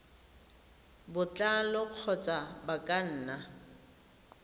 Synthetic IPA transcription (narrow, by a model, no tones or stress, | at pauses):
bʊt͡ɬʼalɔq͡χʰɔt͡sʼabakʼan̩ːna